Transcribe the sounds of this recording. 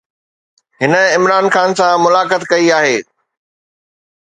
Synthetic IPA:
ɦɪnə̆ɪmɾaːnxaːnsãmʊlaːkət̪kɐiaːɦeː

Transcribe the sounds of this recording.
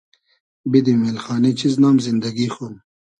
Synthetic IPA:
bid̪imeːlxaːnet͡ɕiznaːmzind̪ɐɡiːxuːm

